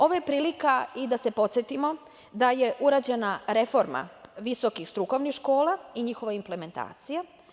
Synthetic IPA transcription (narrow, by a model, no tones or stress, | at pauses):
o̞ʋojepɾiːlikaid̪ase̞pot̪sjet̪imo̞ | d̪aje̞ʔuɾad͡ʑe̞naɾe̞fo̞ɾma̰ʋiso̞kixst̪ɾuko̞ʋnixʃko̞ːlaiɲixo̞ʋaimple̞me̞nt̪a̰ːt̪sija